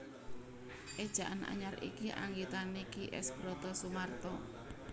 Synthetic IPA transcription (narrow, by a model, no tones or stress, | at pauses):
ʔed̥ʒ̥a̤ʔanʔa̰ɲaɾḭkiʔa̰ŋɡit̪anikiʔɛ̰sb̥ɾɔt̪ɔsumart̪ɔ